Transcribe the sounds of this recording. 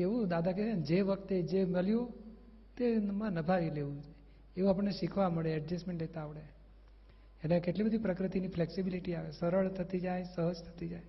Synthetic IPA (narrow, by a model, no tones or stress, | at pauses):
eʋũd̪ad̪ʱakesend͡ʒeʋəkt̪ed͡ʒeməljo | t̪emãnəbʱaɾileʋũd͡ʒoje | eʋũap̬əɳːeʃikʰʋaməɭeɛɖd͡ʒesmẽɳʈlet̪aːʋɽe | eʈlekeʈlibəd̪ʱipɾəkɾət̪inifleksibiliʈiaʋesəɾəɭt̪ʰət̪id͡ʒajsəɦəd͡ʒt̪ʰə̥t̪id͡ʒaj